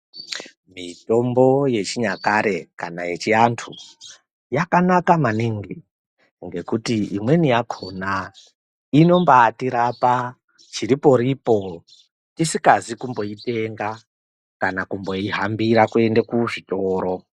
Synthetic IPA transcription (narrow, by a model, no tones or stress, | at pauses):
mito̞mbo̞je̞t͡ʃiɲakaɾe̞kana̰je̞t͡ʃiantʰu | jakanakamaniːŋɡi | ŋɡe̞kutiimwe̞nijakʰo̞na | ino̞mbaːtiɾapa | t͡ʃiɾipo̞ɾipo̞ | tisikazikumbo̞ite̞ŋɡa | kanakumbo̞iɦambiɾakue̞ndekuʐito̞ːɾo̞